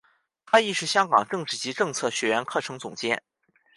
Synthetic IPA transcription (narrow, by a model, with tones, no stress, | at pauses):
t̪ʰa˥i˥˧ʂɻ̩˥˩ɕjɑ˥ŋkɑ˨˩ŋʈ͡ʂɤ˥˧ŋʈ͡ʂɻ̩˥˩t͡ɕi˧˥ʈ͡ʂɤ˥˧ŋt͡sʰɤ˥˩ɕɥɛ˧˥ɥɛ˧˥nkʰɤ˥˩ʈ͡ʂʰɤ˧˥ŋt͡sʊ˨˩ŋt͡ɕjɛ˥˩n